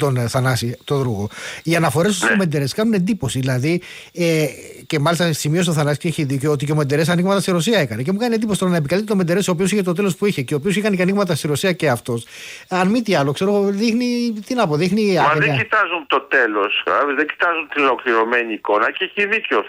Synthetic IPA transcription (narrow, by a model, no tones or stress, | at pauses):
t̪o̞nθɐnɐsit̪o̞ðɾuɣoiɐnɐfo̞ɾe̞st̪ussome̞nd̪eɾe̞skɐnune̞nd̪ipo̞siðilɐði | ece̞mɐlist̪ɐsimio̞s̬t̪oθɐnɐsi̥ceçiðico̞ot̪iceome̞nd̪e̞ɾe̞sɐniɣmɐt̪ɐst̪iɾo̞siɐe̞kɐnece̞mukɐniend̪iposit̪oɾɐnɐep̬ikɐlit̪t̪omed̪e̞ɾe̞soːpio̞siçet̪o̞t̪e̞lo̞spuiçe̞ceopiosixɐnecɐniɣmɐt̪ɐst̪iɾo̞siɐce̞ɐft̪o̞s | ɐnmit̪iɐlo̞kse̞ɾo̞ɣo̞ðixnit̪inɐpo̞ðixniɐmɐðeɟit̪ɐzunt̪ot̪e̞lo̞sɐvizðeɟi̥t̪ɐzunt̪inolo̞kliɾo̞meɲiːko̞nɐceeçiðico